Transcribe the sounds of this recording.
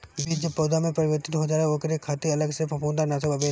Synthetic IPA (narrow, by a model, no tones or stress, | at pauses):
bid͡ʒəpoːd̪amẽpɾɐʋəɾt̪ɪt̪ɦod͡ʒaːeoːkɾekʰaːt̪iɐləɡsepʰɐpũːnd̪anaːsebɐbe